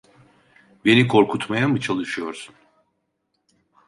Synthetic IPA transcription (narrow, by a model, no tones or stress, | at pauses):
be̞nikʰo̞ɾkʰut̪majamɯt͡ʃʰalˠɯʃɯjo̞ɾsun